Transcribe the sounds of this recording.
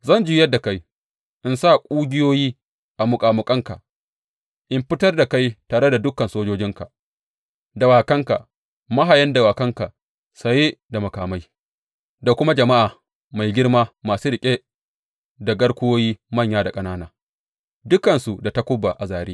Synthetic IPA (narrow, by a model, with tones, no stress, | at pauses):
zɐ˦nd͡ʒiː˦jɐ˦dːa˨ka˦j | ʔɪ˨nsa˦˨kʷʼuː˦ɡʲɪ˦joː˦jiː˦ | ʔa˨mʊ˨kʼaː˨mʊ˨kʼɐ˦ŋka̰˨ʔ | ʔɪ˨mɸɪ˦tɐ˦rda˨ka˦jtaː˨ɽe˦da˨dʊ˦kːɐ˨nsoː˦d͡ʒoː˦d͡ʒɪ˦ŋka˨ | da˨waː˨kɐ˦ŋka̰˨ | ma˦ɦa˨jɐ˦nda˨waː˨kɐ˦ŋka˨ | sa˨je˦da˨mɐ˨kaː˨ma˦j | da˨kʷʊ˦ma˦d͡ʒɐ˨ma˦ʔaː˨ | ma˨jɡʲɪ˦rmaː˦maː˨suː˦ɾɪ˨kʲʼe˦ | da˨ɡɐ˦ɽkʷʊ˦oː˦jiː˦mɐ˦˨ɲjaː˦da˨kʼɐ˦naː˦naː˦ | dʊ˦kɐ˨nsu˨da˨ta˦kʷʊ˦bːa˨ʔa˨zaː˨ɽeː˦